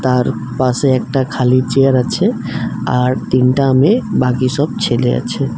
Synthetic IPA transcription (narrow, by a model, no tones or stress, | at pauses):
t̪aɾ | paseek̚ʈakʰalit͡ʃejəɾət͡ʃʰɛ | a̰ɾt̪inʈamebakisəb̚t͡ʃʰelḛə̰t͡ʃʰɛ